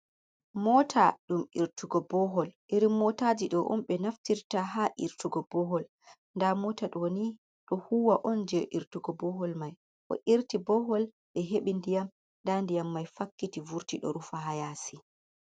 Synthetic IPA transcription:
mɔtʰaɗumiɾtuɡɔbɔɦɔlʔiɾimːɔtad͡ʒiɗɔʔɔ̰mɓɛnaftiɾtaɦaʔiɾtuɡɔbɔɦɔl | ndamɔtaɗɔwoni | ɗɔhuːwaʔɔnd͡ʒɛʔiɾtuɡɔbɔhɔlmaj | ʔɔ̰ʔiɾtibɔhɔl | ɗɛɦeɓindijam | ndandijamːajfakːitivuɾtiɗɔ̰ɾufaɦajasi

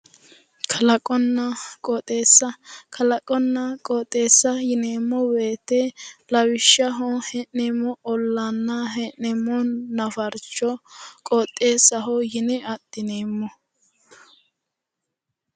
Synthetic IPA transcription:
kʰɐlɐkʼɔnːɐkʼɔt̪ʼeːsːɐkʰɐlɐkʼɔnːɐkʼɔːt̪ʼːe̞ːsːɐjɪneːmːɔweːt̪ɛlɐwɪʃɐɦɔhɛʔɛmːɔɔlːɐnːɐɦɛʔɛmːɔnɐfɐɾt͡ʃːɔkʼɔt̪ʼːe̞ːsɐɦɔjɪnɪɐd̪ːɪneːmːɔ

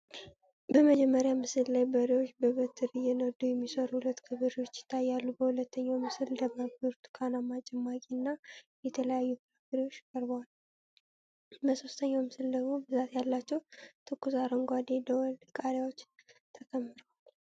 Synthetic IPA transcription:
bəməd͡ʒɛmːəɾjamɨsɨllajbəɾiwot͡ʃːbəβət̪ʰːɨɾɨjɛnəd̪ujɛmːisəɾuhulət̪ːkʰɨβɨɾiwo̞t͡ʃːjɪ̥t̪ʰːajːalːubəhulət̪ːəɲːawmɨsɨld̪əmabɨɾt̪ʰɨkʰanamat͡ʃʼɛmːakʼiɨnːajɛt̪ʰələjajːupɨɾaɡɾiwo̞t͡ʃːkʼəɾbwal | bəso̞st̪ʰəɲːawmɨsɨld̪əɡmo̞bɨzat̪jalːat͡ʃːɛwt̪ʰɨkːusaɾəŋɡʷad̪ed̪əwlkʼaɾjawot͡ʃːt̪ʰəkʰʼəmːɨɾəwal

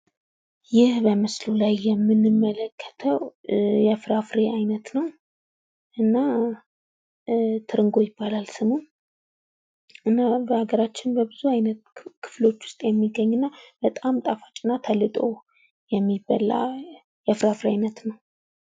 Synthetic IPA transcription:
jɪhbəmɨslulajːɛmːɨnːɨmːələkʰːə̥t̪ʰəwjɛfɾafɾe̞ajnət̪nəw | ʔɨnːa | t̪ʰɨɾɨŋɡo̞jɪbːalalsɨmuw | ʔɨnːabəaɡəɾat͡ʃːɪnbəbɨzuajnət̪kʰɨ̥flo̞t͡ʃːwʊ̥st̪ʼjɛmːiɡːəɲːɨnːab̥ət̪ʼamt̪ʼafḁt͡ʃʼɪnːat̪ʰəlːɨt̪ʼo̞ | jɛmːibːa̰la̰ | jɛfɾafɾeajnət̪nəw

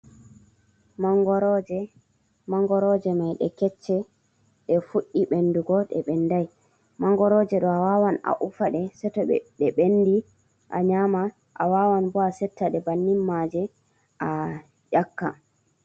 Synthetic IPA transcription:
maŋɡɔɾd͡ʒ | maŋɡɔɾɔd͡ʒɛmajɗɛ̰kɛt͡ʃːɛ | ɗɛfuɗːiɓenːduɡɔɗɛ̰ɓɛndaj | maŋɡɔɾɔd͡ʒɛɗɔawawana̰ʔufaɗɛsɛtɔɛ̰ɗɛɓenːdi | ʔa̰ɲama | ʔa̰wawanbɔasɛtːaɗɛbanːimːad͡ʒɛ | ʔa | jakːa̰

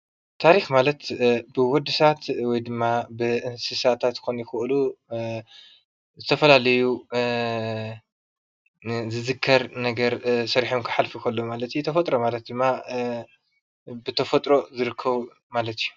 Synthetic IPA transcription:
t̪ʰaɾixmalɐt̪bɨwɔd̪ɨsat̪wɔjd̪ɨmːabɨʔɨnsɨsat̪ʰat̪xonjɪxɨʔlu | zɨt̪ʰɐfɐlalɐju | zɨzɨkʰːɐɾnɐɡɐɾsɐɾiħomkʰɐ̥ħalfikʰɐlːomalɐt̪jut̪ʰɐfɐt̪ʼɾomalɐt̪̚d̪ɨmːa | bɨt̪ʰɐfɐt̪ʼɾo̞zɨɾɨkʰːɐβ | malɐt̪ʰiju

